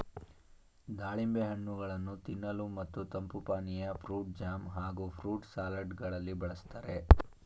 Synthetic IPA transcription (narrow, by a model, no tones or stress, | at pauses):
d̪aːɭimbeɦɐɳːuɡɐɭɐnːut̪inːɐlumɐt̪ːut̪ɐmpupaːnijɐpʰɾuːʈ̚d͡ʒaːmɦaːɡupʰɾuːʈsaːlɐɖɡɐɭɐlːibɐɭɐst̪aːɾe